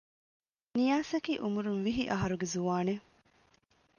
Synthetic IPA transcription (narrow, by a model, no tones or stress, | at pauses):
nijaːsɐkiːʔumuɾunʋiɦiʔɐɦɐɾuɡezuʋaːne